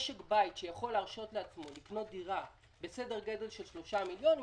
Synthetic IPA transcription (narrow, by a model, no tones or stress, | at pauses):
ʃekbajtʃejaχo̞lːeːʁʃo̞tleat͡smo̞likno̞t̚d̪iʁa | bese̞de̞ʁɡe̞de̞lʃe̞lʃlo̞ʃamiljo̞ni